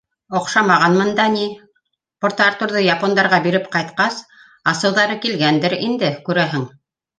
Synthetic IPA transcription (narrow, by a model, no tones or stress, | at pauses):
ŏqʃɑmɑʁɑnmɤ̆nd̪ɑni | pŏɾt̪ɑɾt̪uɾðɤjɑpond̪ɑɾʁɑbiɾɘpqɑjt̪qɑs | ɑsɤ̆wðɑɾɤkilɡænd̪ɘɾḭnd̪ɘkʉɾæɦɘŋ